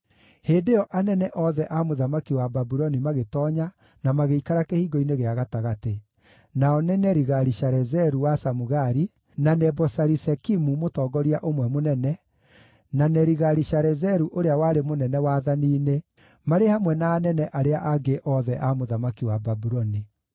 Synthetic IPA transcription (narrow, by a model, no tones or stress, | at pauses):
heːdeɔʔanɛnɛʔɔðɛʔamoðamakiwababuɾɔnimaɣetɔːɲa | namaɣeikaɾakehiɡɔineɣeaɣataɣate | naɔnɛnɛɾiɣaɾiʃaɾɛzɛɾuwasamuɣaɾi | nanɛbɔsaɾisɛkimumotɔːɡɔɾiaʔomwɛmonɛnɛ | nanɛɾiɣaɾiʃaɾɛzɛɾuʔoɾeawaɾemonɛnɛwaːðaniːne | maɾehamwɛnaːnɛnɛʔaɾeaʔaɡeʔɔðɛʔamoðamakiwababuɾɔni